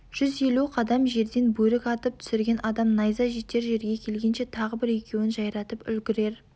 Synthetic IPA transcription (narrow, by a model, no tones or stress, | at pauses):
ʒ̥ʏzje̞luqʰɑd̪ɑmʒe̞ɾd̪e̞nbɵlɪkɑt̪əp̚t̪ʰʏ̥sɪɾɡʲe̞nʔɑd̪ɑmnɑjzɑʒit̪ːe̞ɾʒe̞ɾɡʲe̞kʲʰe̞lɡʲe̞nʃe̞t̪ʰɑʁəbɪɾe̞kʲʰe̞wɪnʒɑjɾɑt̪əpʏ̰lɡʲɪɾe̞ɾ